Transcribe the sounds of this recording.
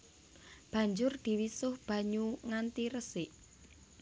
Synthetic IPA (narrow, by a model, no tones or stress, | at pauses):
b̥ä̤ɲd͡ʒʊrd̪̥i̤wisʊhb̥ä̤ɲuŋant̪iɾəsɪʔ